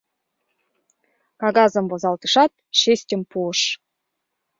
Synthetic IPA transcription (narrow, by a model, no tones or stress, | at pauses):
kɑɣɑzə̆mbozɑlˠt̪ɯʃɑt̪̚ | ʃesʲtʲə̆mpuəʃ